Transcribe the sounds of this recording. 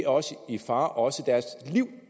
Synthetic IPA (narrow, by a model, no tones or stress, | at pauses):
ɒ̽səifɑ̈ːʔɒ̽səd̥æɐsliʊ̰